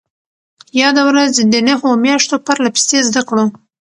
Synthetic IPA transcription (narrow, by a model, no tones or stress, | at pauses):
jɑd̪awɾazd̪ənaɦomjɑʃt̪opəɾlapi̥st̪ezd̪akɽo